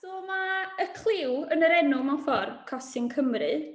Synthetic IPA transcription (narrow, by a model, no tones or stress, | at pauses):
d̥oːmaəkʰl̥ˠɪwənəɾɛnʊmafɔrkʰɔsɨnkʰəmrɨ